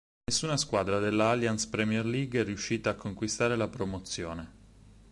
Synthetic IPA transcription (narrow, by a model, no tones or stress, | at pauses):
nesːuːnaskwad̪ɾad̪elːaaljanspɾɛmjerliːɡɛrːiuʃːiːt̪aːkʰːoŋkwist̪aːɾelapɾomot̪sːjoːne